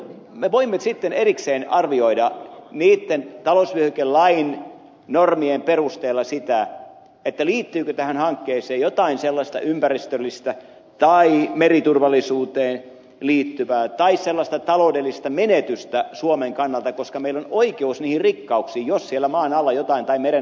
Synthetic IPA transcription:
meʋoimːesit̪ːenerikseːnɑrʋioidɑniːt̪ːent̪ɑlosʋyøhykellɑin | normiemperust̪eːlːɑsit̪æ | et̪ːæliːt̪ːyːkøt̪æhænhɑŋkːeːseːjot̪ɑinselːɑst̪ɑ̰ʔympærist̪ølːist̪æ | t̪ɑimerit̪urʋɑlːˑisuːt̪eːn | liːt̪ːyʋæːt̪ɑisselːɑst̪ɑt̪ɑloudelːist̪ɑmenet̪yst̪æsuomeŋkɑnːɑlt̪ɑkoskɑmeilːonoikeusniːhirrikːɑuksiːjossielːˑæmɑːnɑlːɑjot̪ɑint̪ɑimeɾe

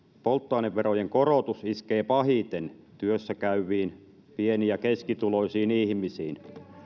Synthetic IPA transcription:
polt̪ːoɑineʋʋerojeŋkorot̪usiskeːpɑhit̪en | t̪yøsːækæyʋiːn | pieniɑkeskit̪uloisiːnihmisiːn

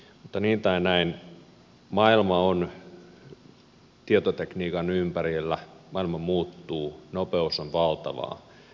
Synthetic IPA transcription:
mut̪ːɑniːt̪æinæin | mɑilmɑon | t̪iet̪ot̪ekniːkɑnympærilːæmɑilmɑmuːt̪ːuːnopeusonʋɑlt̪ɑ̰ʋɑ̰ː

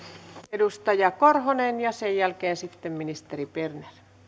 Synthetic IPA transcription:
edust̪ɑjɑkorhonenjɑsejjælkeːnsit̪ːemminist̪eriperner

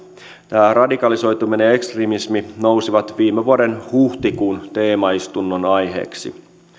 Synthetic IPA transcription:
t̪æːrɑdikɑliso̞jt̪umineekst̪rimismino̞wsiʋɑt̪ʋiːmːeʋuɑdenhuht̪ikuːnt̪e̞ːmɑist̪unːonɑjɦe̞̰ːksḭ

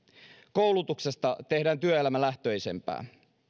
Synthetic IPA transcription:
kowlut̪ukse̞st̪ɑt̪e̞hdæːnt̪yøelæmælæht̪øːjse̞̰mpæ̰ː

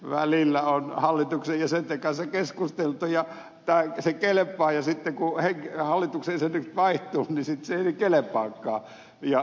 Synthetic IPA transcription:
ʋæ̰lilːæonhɑlːit̪uksejjɑsent̪ekɑnsɑkeskust̪elt̪ujɑ | t̪æːsekelepːˑɑːjɑsit̪ːekuheŋkhɑlːit̪uksensenyksʋɑiht̪ˑuːnnisit̪seˑinikelepˑɑːkːɑ̰ː | jɑ

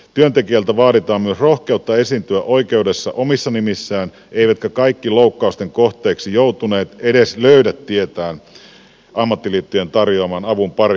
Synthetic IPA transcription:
t̪yønt̪ekiælt̪æʋɑːɾit̪ɑːmmyøsrohkeut̪ːɑesint̪yæʔoikeudesːɑ̰ʔomisːɑnimisːæːn | ʔeiʋæt̪kækɑikːiloukːɑust̪eŋkoht̪ˑeːksijout̪uneːt̪edesløydæt̪ːiet̪æːn | ɑmːɑt̪ːiliːt̪ːyjent̪ɑrjoɑmɑnɑʋumpɑri

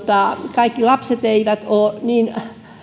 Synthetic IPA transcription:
t̪ɑˑkɑikːilɑpset̪eiʋæt̪oːniːn

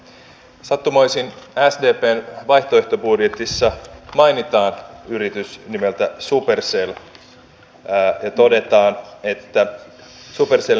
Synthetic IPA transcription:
sɑt̪ːumojsinæsde̞ːpe̞ːnʋɑjht̪oeht̪o̞budjet̪isːɑmɑjnit̪ɑːnyɾit̪ysnime̞lt̪æsupe̞rsel | jɑt̪o̞de̞t̪ɑːne̞t̪ːæ | supersel

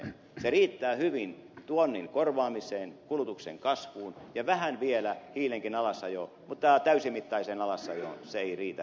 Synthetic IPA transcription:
seriːt̪ːæːhyʋint̪uonːiŋkorʋɑːmisˑeːnkulut̪uksḛŋkɑsʋuːnjɑʋæhænʋielæhiːleŋkinɑlɑsːɑjo | mut̪ːɑt̪æysimit̪ːɑiseːnɑlɑsːɑ̰jo̰seeiriːt̪æ

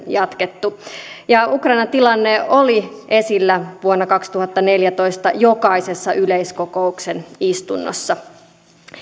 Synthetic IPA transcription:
jɑt̪ket̪ːujɑukrɑinɑnt̪ilɑnːeoliʔe̞silːæʋuonːɑkɑkst̪uhɑt̪ːɑne̞ljæt̪oist̪ɑjokɑise̞sːɑʔyleiskoko̞uksenist̪unːo̰sːɑ

